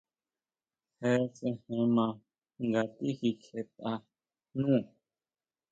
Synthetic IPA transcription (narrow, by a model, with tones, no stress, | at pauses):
hɛ˧˦t͡sɛ̃˧hɛ̃˧mã˧˨ | ŋɡa˨t̪i˦ki˨kʰe˧t̪a˧ | nũː˦˨